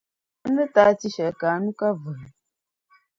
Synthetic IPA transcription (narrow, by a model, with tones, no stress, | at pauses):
nɨ˦ta˨˦ti˦ʃɛ˨ka˨˦nu˦ka˦və˨l